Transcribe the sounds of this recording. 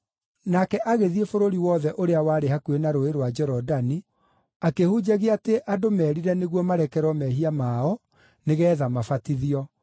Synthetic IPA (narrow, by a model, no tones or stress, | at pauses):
nakɛʔaɣeðiefoɾoɾiwɔðɛʔoɾeawaːɾehakuenaɾoeɾwad͡ʒɛɾɔdani | akehud͡ʒaɣeateʔadomɛːɾiɾɛneɣwɔmaɾɛkɛɾwɔmɛɦiamaɔ | neɣɛːðamafatiðiɔ